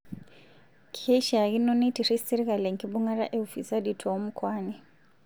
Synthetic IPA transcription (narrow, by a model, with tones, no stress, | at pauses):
kʰe˦ʃa˨ɣi˦nɔ˦ni˦tʰi˨ri˦si˦ɾi˦ɣa˨le˨ŋ̩˨kʰʼi˦bu˦ŋa˦ɾa̰˦ʔe˦u˨fi˨sa˦di˨tʰɔ˨o˦m̩˦kʰwaːni˨